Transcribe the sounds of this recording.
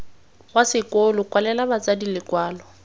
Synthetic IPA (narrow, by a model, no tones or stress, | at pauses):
ɣwasɪkʼolʊkʼwalɛlabat͡sʼadilɪkʼwaːlɔ